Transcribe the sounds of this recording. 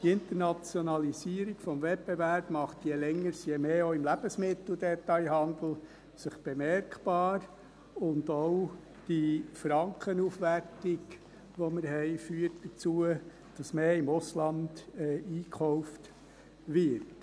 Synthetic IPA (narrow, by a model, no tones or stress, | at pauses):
tɪnt̪ənɑt͡sjɔnɑlisiːəɾiɡ̥fɔmvɛpbevæɾb̥mɑχt̪jɛlɛŋːəɾsjɛmeːoɪmlæb̥əsmɪt̪l̩ˠd̪ɛt̪ɑɪɦɑnd̪l̩ | səχb̥emɛɾkb̥ɑːɾ | ʊndɔʊ | d̥ifɾɑŋkχənuːfʋærtɪɡ | ʋɔməɾɦɛɪfyːətd̥ət͡suə | d̥ɑsmeːɪmʊslɑnd̥ɛiːkχɔʊft | ʋɪɾt